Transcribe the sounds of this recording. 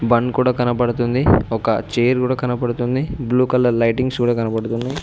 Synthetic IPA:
bɐnkuːɽaːkɐnɐpɐɽut̪und̪iɔkɐt͡ʃeːɐɾkuːɽaːkɐnɐpɐɽut̪und̪ibluːkɐlːɐlɐjʈiŋɡskuːɽaːkɐnɐpɐɽut̪unːɐj

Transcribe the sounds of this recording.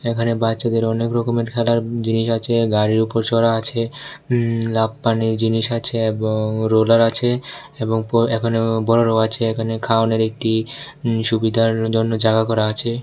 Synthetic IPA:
ekʰanebatːʃad̪eɾɔnekɾɔkomeɾkʰɛlaɾd͡ʑiniʃat͡ɕʰeɡaɾiɾupoɾt͡ɕɔɾaat͡ɕʰe | labpaniɾd͡ʑiniʃat͡ɕʰeeboŋɾolaɾat͡ɕʰe | eboŋpɔɛkʰonebɔɾoɾoat͡ɕʰeekʰanekʰaoneɾek̚ʈi | ʃubid̪ʱaɾd͡ʑonːod͡ʑaɡakɔɾaat͡ɕʰe

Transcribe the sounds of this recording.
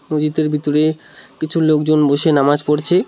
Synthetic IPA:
mod͡ʑit̪eɾbʱit̪oɾekit͡ɕʰulok̚d͡ʑonboʃenamad͡ʑpoɾt͡ɕʰe

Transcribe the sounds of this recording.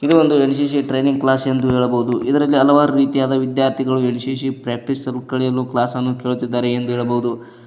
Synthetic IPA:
id̪eʋond̪uenʃ̬iːʃ̬iʈɾe̞ːniŋɡ̚klaːse̞nd̪uɦeːɭɐboɦud̪uʔid̪ɐɾɐlːiɐlɐʋaːɾɐɾiːt̪ijaːd̪ɐʋid̪jaːɾt̪ʰiɡɐɭuenʃiːʃ̬ipɾaːk̚ʈisɐlkɐɭɛjɐluklaːsɐnːukeːɭut̪ːid̪ːaːɾeend̪uɦeːɭɐboɦud̪u

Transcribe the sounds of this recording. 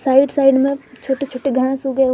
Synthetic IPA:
saːɪɖsaːɪɖmẽt͡ʃʰoːʈet͡ʃʰoːʈeɡʱãsuɡəe

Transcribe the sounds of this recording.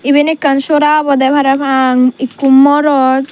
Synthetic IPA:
ibenekːanʃoɾaːbɔd̪ɛpʰaɾɛpʰaŋikːumːɔɾɔt̪

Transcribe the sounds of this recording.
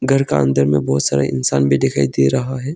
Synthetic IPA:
ɡʱɐɾkaɐ̰̃nd̪ʱəɾmẽbɔːʊt̪saːɾa̰ɪ̰nsaːnbʱid̪ɪkʰaːid̪eɾɐɦaɦɛː

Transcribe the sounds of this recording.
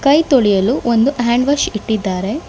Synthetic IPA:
kɐjt̪oɭijɐluʔond̪uɦaːɳɖʋɐʃiʈːid̪ːaːɾe̞

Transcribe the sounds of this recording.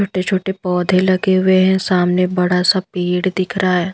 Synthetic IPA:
oːʈet͡ʃʰoːʈepɔːd̪ʱẽlɐɡeɦʊweɦɛ̃saːmnebɐɽasapiːɽd̪ɪkʰɾaːɦɛː

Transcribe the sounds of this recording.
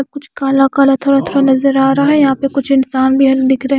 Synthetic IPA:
ɐb̚kʊt͡ʃʰkaːlakaːlat̪ʰoːɽat̪ʰoːɽanɐzəɾaːɾaɦɛjɐɦãːpekʊt͡ʃʰɪnsaːnbʱiɦɐld̪ɪkʰɾɐɦɛ

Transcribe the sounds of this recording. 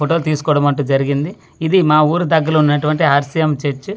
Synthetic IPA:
oʈoːlt̪iːsu̥kɔːɽɐmɐɳʈ̬ːuːd͡ʒɐɾiɡind̪i | id̪imaːuːɾud̪ɐɡːɐlɐunːɐʈuʋɐɳʈiɦɐɾsijɐmt͡ʃeɾt͡ʃːu

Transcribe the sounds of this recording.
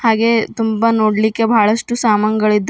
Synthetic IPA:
haːɡet̪umbanoːɽlikːebʱaːɭɐʂʈusaːmɐŋɐɡɐɭid̪ː

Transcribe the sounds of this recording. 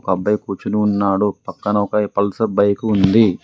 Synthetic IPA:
kɐbːɐjkuːt͡ʃunuːnːaːɽupɐkːɐnɐɔkɐpɐlsɐbɐjkuːnd̪i

